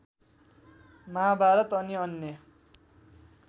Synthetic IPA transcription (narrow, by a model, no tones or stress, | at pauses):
mʌɦabʱaɾʌt̪ʌniʌnːjʌ